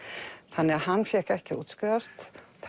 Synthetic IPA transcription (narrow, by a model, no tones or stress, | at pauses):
θanːɪɣahanːfjɛkɛhcɪṵːt̪skɾɪðast̪ʰ